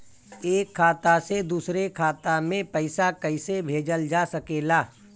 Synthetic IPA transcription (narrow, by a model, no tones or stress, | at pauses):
eːkʰːaːt̪ased̪uːsɾekʰaːt̪amẽpəɪsakəɪsebʱeːd͡ʒəld͡ʒaːsɐkeːlaː